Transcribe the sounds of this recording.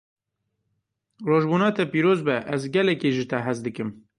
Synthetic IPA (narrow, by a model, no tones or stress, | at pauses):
roːʒbuːnɑːt̪ɛpiːɾoːzbɛʔɛzɡɛlɛkeːʒɨt̪ʰɛɦɛzd̪ɨkɨm